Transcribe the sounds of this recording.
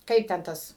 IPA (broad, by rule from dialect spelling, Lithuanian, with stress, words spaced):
ˈkɐɪp tʲɛn ˈtɐs